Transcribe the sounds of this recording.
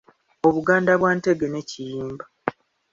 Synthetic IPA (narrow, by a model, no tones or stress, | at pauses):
o̞βuɡaːndaβwaːnte̞ɡe̞ne̞cijiːmba